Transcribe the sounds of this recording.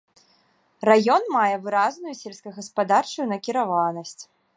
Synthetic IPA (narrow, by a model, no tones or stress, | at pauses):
rajɔnmajɛvɨɾaznujusʲelʲskɐjɣɐspad̪art͡ʂujunɐkʲiɾavanɐsʲt͡sʲ